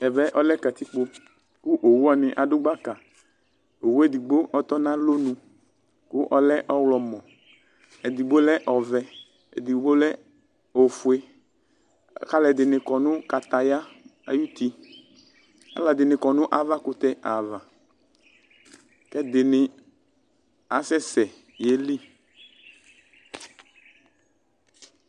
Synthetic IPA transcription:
ɛ˨vɛ˦ʔɔ˦lɛ˦ka˨t̪i˦k͡po˧ | kʊ˦ʔo˨wu˦ɔ˦˨nɪ˨ʔa˨dʊ˦ɡ͡ba˦ka˨ | o˨wu˦e˦d̪i˨ɡ͡bo˦ʔɔ˨t̪ɔ˦nã˦lo˦nũ˨ | kʊ˦ʔɔ˦lɛ˦ʔɔ˦wlɔ˨mɔ̃˨ | ɛ˨d̪i˨ɡ͡bo˦lɛ˦ʔɔ˨vɛ˨ | ḛ˨d̪i˨ɡ͡bo˦lɛ˦ | o˨fʊ˨e˦ | ka˦lɛ˨d̪ɪ˨nɪ˨kɔ˨nʊ̃˦ka˨t̪a˨ja˦a̰˨ju˦t̪i˦ | a̰˨˦la˨d̪ɪ˨nɪ̃˨kɔ˨nʊ̃˦ʔa˨va˦kʊ˨t̪ɛ˦ʔa˨va˨ | kɛ˦d̪ɪ˨nɪ˨ | a˨sɛ˦sɛ˨ | je˨˦li˦˨

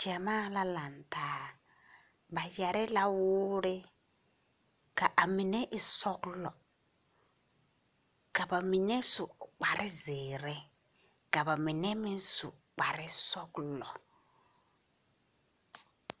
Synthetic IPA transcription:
ti˨a˨maː˦la˦la˨ntaː˨˦ | ba˨jɛ˨ɾɪ˦la˦wʊː˦ɾɪ˦ | ka˨ʔa˨mɪ˨nɛ˦ʔɪ˨sɔ˦klɔ˨ | ka˨ba˨mɪ˨nɛ˦sʊ˨k͡pa˨ɾʔɪ˦zɪː˨ɾɛ˦ | ka˨ba˨mɪ˨nɛ˦mɪ˦n˦sʊ̰˨ | k͡pa˨ɾɪ˦sɔ˦klɔ˨

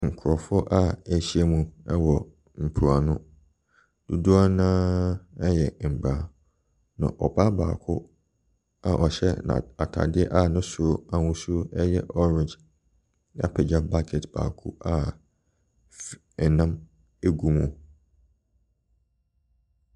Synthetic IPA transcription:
ŋ̩˨kʰʊ˨ɾɔ˨fʊ˦ʔa˦æ˨ɕi˦ɛ˦mũ˨ɛ˦wɔ˨ | m̩˨pʰu˨a˨nʊ̃˦ | d̥u˨du˦a˦nãː˦ɛ˦jɛ˨m̩˨ba˦ | nã̰˨ʔɔ˨ba˦ba̰ː˨kʰʊ̰˦ | a˨ʔɔ˨ɕɛ̰˦nã̰˨a˨tʰa̰˨dɪ˦ɛ˦ʔa˦˨nʊ̃˦sʊ˨o˦a˨wʊ̃˦su˦o˦ɛ˦jɛ˦ʔɔ˦ɾɪ̃˨nd͡ʒ | a̰˦˨pʰɛ˨d͡ʑa˦ba˦kʰɛ˨tb̥a̰ː˨kʰṵ˦a˨ | ɛ˨nã˦m | e˦ɡu˦mũ˨

